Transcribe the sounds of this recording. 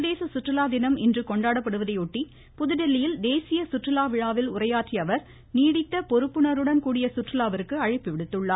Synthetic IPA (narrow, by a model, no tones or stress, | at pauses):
ðeːsɐsʊʈrɪlaːd̪ɪnɐmɪndrɯkɔɳɖaːɽɐpːɐɽɯʋɐðɐɪɔʈːi | pʊðɯðɛlːɪjɪld̪eːsɪjɐsʊʈrɪlaːʋɪɻaːʋɪlʊrɐjaːʈriɐʋɐɾ | niːɽɪt̪ːɐpɔɾɯpːɯɳɐɾɯɽɐnkuːɽɪjɐsʊʈrɪlaːʋɐɾɯkːɯɐɻɪpːɯʋɪɽɯt̪ːɯɭːaː